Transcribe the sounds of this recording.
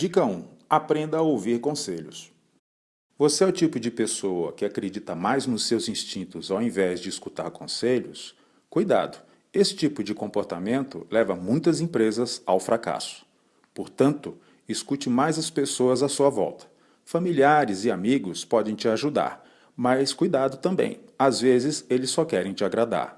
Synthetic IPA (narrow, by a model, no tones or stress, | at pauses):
d͡ʒikɐũapɾẽnd̪ɐowviɾkõseʎʊs | voseɛɔt͡ʃipʊd͡ʒɪpesowɐ̰kɪakɾed͡ʒit̪ɐmajznʊsːewzĩst͡ʃĩnt̪ʊzawẽvɛzd͡ʒɪiskut̪a̰ɾkõseʎʊs | kujd̪a̰d̪ʊ | esɪ̥t͡ʃipʊd͡ʒɪkõmpoɾt̪amẽnt̪ʊlɛvɐmũj̃t̪ɐzẽpɾezɐzawfɾaka̰sʊ̥ | poɾt̪ɐ̃nt̪ʊ | ɪskut͡ʃɪmajzɐspesoɐzasuɐvɔ̰wt̪ɐ̥ | familiaɾɪzɪamiɡʊspɔd̪ẽj̃t͡ʃɪaʒud̪a̰ɾ | mɐskujd̪ad̪ʊt̪ɐ̃mbḛ̃j̃azvezɪzelɪsːɔkɛɾẽj̃t͡ʃɪaɡɾad̪a̰ɾ